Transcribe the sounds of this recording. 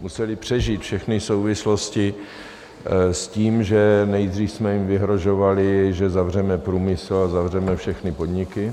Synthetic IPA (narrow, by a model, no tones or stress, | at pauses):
musɛlɪpr̝̥ɛʒiːt̪fʃɛxnɪsowvɪsloscɪ | sciːmʒɛnɛjdriːfsmɛjɪmvɪɦɾoʒovalɪʒɛzavrɛmɛpɾuːmɪsl̩azavrɛmɛfʃɛxnɪpod̪ɲɪkɪ